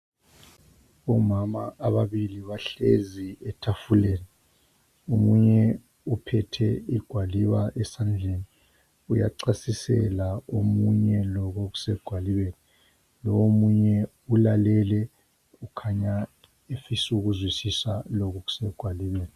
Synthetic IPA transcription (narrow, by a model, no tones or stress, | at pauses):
ɔmamaʔːβaβiliβaɬeziɛtʰafuleːni | omuɲɛ | upʰɛtʰɛiɡ̥ʱwaliβaʔɛsand͡ɮʱeːni | uja̰ǀasisɛ̰laomuɲɛlɔɣoɣu̥sɛɡ̥ʱwaliβeːni | lɔwomuɲɛ | ulalɛlɛ | ukʰaɲa | efisuɣuzwisisalɔɣoɣu̥sɛɡ̥ʱwaliβeːni